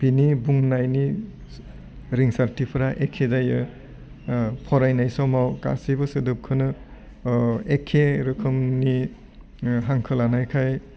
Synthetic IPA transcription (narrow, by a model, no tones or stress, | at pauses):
pinibuŋnajni | ɾiŋsaɾtipʰɾaʔekʰːezajɯ | pʰɔɾajnajsɔmawka̰sibɯsɯdɯp̚kʰɯnɯ | ekʰːeɾɯkʰɯmni | ɦaŋkʰɯlanajkʰaj